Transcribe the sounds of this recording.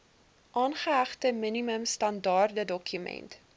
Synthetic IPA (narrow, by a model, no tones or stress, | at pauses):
ʔɑːnχəɦæχtəminiməmstɐndɑːrdədɔkʰymɛ̰nt